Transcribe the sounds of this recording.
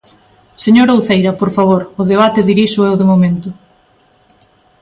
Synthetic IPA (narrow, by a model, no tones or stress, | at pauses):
seɲoɾowθejɾɐpoɾfaβ̞oɾʊðeβ̞at̪eðiɾiʃʊɛwðemomẽnt̪ʊ